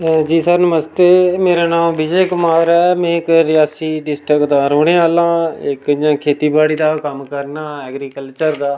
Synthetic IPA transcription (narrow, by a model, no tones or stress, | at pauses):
d͡ʒiːsaːnəməst̪eːmeːɾaːnãːmbɪd͡ʒeːkʊmaːɾɛːmɛ̃ːɪkɾɪjaːsiːɖɪsʈɾɪkd̪ãːɾoːɽeːaːlãːɪkd͡ʒãːkʰeːt̪iːbaːɽiːd̪aːkəmkəɾnaːɛːɡɾiːkəlt͡ʃəɾd̪aː